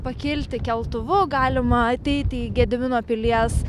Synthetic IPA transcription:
pɐkʲɪlʲt̪ʲɪkʲɛlˠt̪ʊʋʊɡɑːlʲɪmɐɐt̪ʲɛɪt̪ʲiːɡʲɛd̪ʲmʲɪnoːpʲɪlʲiɛs

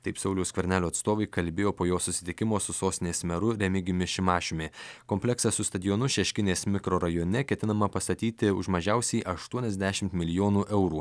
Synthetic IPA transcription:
t̪ɐɪpsɐʊlʲɛʊskʋʲɛɾʲnʲæːlʲuːɐt̪st̪oːʋɐɪkɐlʲbʲeːjoːpoːjoːsʊsʲɪ̥t̪ʲɪkʲɪmoːsʊsoːst̪ʲɪnʲeːsmʲɛɾʊɾʲɛmʲɪɡʲɪʊmʲɪʃʲɪmɑːʃʲʊmʲekoːmʲpʲlʲɛksɑsʊst̪ɐd̪ʲɪjoːnʊʃʲɛʃʲkʲɪnʲeːsmʲɪkɾoːɾɐjoːnʲɛkʲɛt̪ʲɪnɐmɐpɐst̪ɐt̪ʲiːt̪ʲɪʊʒmɐʒʲɛˑʊsʲɛɪʔɐʃt̪uɔnʲɛzʲd̪ʲæʃʲɪmt̪mʲɪlʲɪjoːnuːʔɛʊɾuː

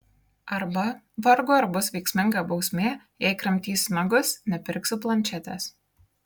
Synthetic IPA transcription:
ɐɾbɐ | ʋɐɾɡʊɐɾbʊsʋʲɛɪksʲmʲɪŋɡɑːbɒʊsʲmʲeː | jɛɪkɾɐmʲt̪ʲiːsmɐɡʊsnʲɛpʲɪɾʲksʲʊplˠɐnʲt͡ʃʲɛt̪ʲɛs

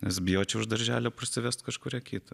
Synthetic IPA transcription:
nʲɛsbʲɪjoːt͡ʃʲɛʊʒd̪ɐɾʲʒʲæːlʲoːpɐsʲɪʋʲɛst̪kɐʃkʊːɾʲɛkʲʰiːt̪ɐ

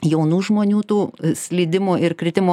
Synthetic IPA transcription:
jɛʊnuːʒmoːnʲuːt̪uːsʲlʲiːd̪ʲɪmuːɪrkɾʲɪt̪ʲɪmoː

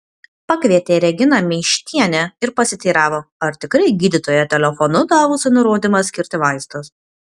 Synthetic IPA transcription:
pɐkʋʲiɛt̪ʲeːɾʲɛɡʲɪnɐmʲɛːʃʲt̪ʲiɛnʲɛɪɾpɐsʲɪt̪ʲiːɾɑːʋoːɐɾt̪ʲɪkɾɐɪɡʲiːd̪ʲɪt̪oːjɛt̪ʲɛlʲɛfɔnʊd̪ɑːʋʊsʲɪnʊɾoːd̪ʲɪmɐsʲkʲɪɾʲt̪ʲɪʋɑɪst̪ʊs

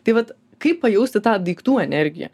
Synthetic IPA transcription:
t̪ɐɪʋɐt̪ | kɐɪppɐjɛʊsʲt̪ʲɪt̪ɑːd̪iːkt̪uːɛnʲɛɾʲɡʲɪ̰jɛ̰

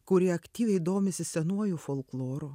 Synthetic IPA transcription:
kʊɾʲiɛɐkʲt̪ʲiːʋʲɛɪid̪oːmʲɪsʲɪsʲɛnuɔjufoːlˠklˠoːɾu

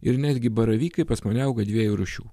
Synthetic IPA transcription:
ɪɾnʲæːd̪ʲɡʲɪbɐɾɐʋʲiːkɐɪpɐsmɐnʲɐʊɡɐd̪ʲʋʲiɛjuːɾʊʃʲṵː

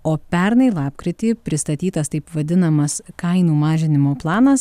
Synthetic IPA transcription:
oːpʲɛɾnɐɪlˠɑːpkɾʲɪt̪ʲiːpʲɾʲɪst̪ɐt̪ʲiːt̪ɐst̪ɐɪpʋɐd̪ʲɪnɐmɐskɐɪnuːmɑːʒʲɪnʲɪmoːplˠɑːnɐs

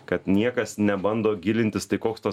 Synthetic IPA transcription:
kɐt̪nʲiɛkɐsnʲɛbɐnd̪oːɡʲɪlʲɪnʲt̪ʲɪst̪ɐɪkoːkst̪ɐ

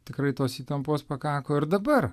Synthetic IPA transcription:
t̪ʲɪkɾɐɪt̪oːsiːt̪ɐmpoːspɐkɑːkoːɪɾd̪ɐbɐr

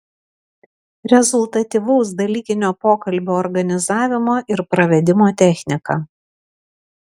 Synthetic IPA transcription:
ɾʲɛzʊlˠt̪ɐt̪ʲiʋɐʊs̬d̪ɐlʲiːkʲɪnʲoːpoːkɐlʲbʲoːɔɾɡɐnʲɪzɑːʋʲɪmoːʔɪɾpɾɐʋʲɛd̪ʲɪmoːt̪ʲɛˑxʲnʲɪkɐ

